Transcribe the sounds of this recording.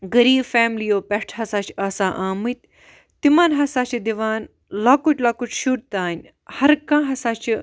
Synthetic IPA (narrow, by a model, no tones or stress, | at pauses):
ɡɐɾiːbfɛːmlijoːpɛʈʰɦɐsaːt͡ʃʰaːsaːʔaːmɨt̪ʲ | t̪imaːnɦɐsaːt͡ʃʰid̪iʋaːn | lakuʈʲlaːkut͡ʃʰʃuɾt̪aːnʲ | hɐɾkãːɦɐsaːt͡ʃʰi